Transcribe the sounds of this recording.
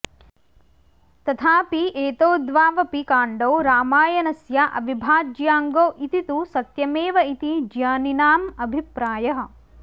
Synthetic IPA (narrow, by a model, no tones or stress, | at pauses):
t̪ɐt̪ʰaːpiʔeːt̪oːd̪ʋaːʋɐpikaːɳɖoːɾaːmaːjɐnɐsjaʔɐ̰bibʱaːd͡ʒjaːŋɡoːʔit̪it̪usɐt̪jɐmeːʋɐit̪id͡ʒjaːninaːmɐbʱipɾaːjɐɦɐ̆